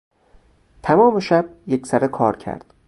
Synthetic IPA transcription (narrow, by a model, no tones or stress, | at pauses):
t̪ʰæmɒːme̞ʃæb̥̚jecʰsæɾekʰɒːɾcʰæ̰ɾd̪̥